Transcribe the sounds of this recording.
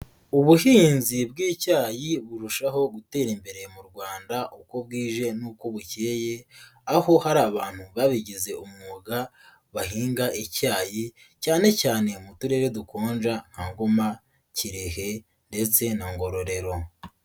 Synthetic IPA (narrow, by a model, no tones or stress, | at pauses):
uβuhiːnzibɡiːcaːjiβuɾuʃaɦo̞ɡute̞ːɾimbe̞ɾe̞muɾɡwaːndaʔuko̞b̚ɡiːʒe̞nuːko̞βuceːje̞aho̞haɾaːβaːn̥huβaβiɟize̞umŋoɡa | βaɦiːŋɡaʔicaːji | caːne̞caːne̞mutuɾe̞ːɾedukoːnʒaŋ̥haŋɡoma | ciɾehe̞ | nde̞t͡se̞naŋɡo̞ɾo̞ɾe̞ɾo̞